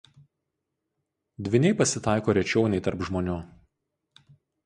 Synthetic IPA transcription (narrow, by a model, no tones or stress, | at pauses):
d̪ʲʋʲɪnʲɛɪpɐsʲɪt̪ɑˑɪkoːɾʲɛt͡ʃʲɛʊnʲɛɪt̪ɐɾpʒmoːnʲʊ